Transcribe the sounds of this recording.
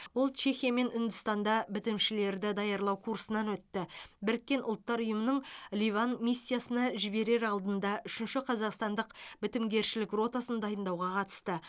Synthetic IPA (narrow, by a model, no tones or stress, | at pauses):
wo̞lˠt͡ʃʰe̞xʲijame̞nʏnd̪ʏst̪ɑnd̪ɑbɪt̪ɪmʃɪle̞ɾd̪ɪd̪ɑjɑɾlˠɑwkʰuɾsənɑnwɵt̪ːɪbɪɾɪkʲːe̞nʔʊlˠət̪ːɑɾʊjəmənəɴlʲivanmisʲːijasənɑʒɪbe̞ɾe̞ɾɑlˠd̪ənd̪ɑʔʏʃɪnʃɪqʰɑzɑqst̪ɑnd̪əqbɪt̪ɪmɡʲe̞ɾʃɪlɪkro̞t̪asənd̪ɑjənd̪ɑwʁɑqʰɑt̪ə̥st̪ə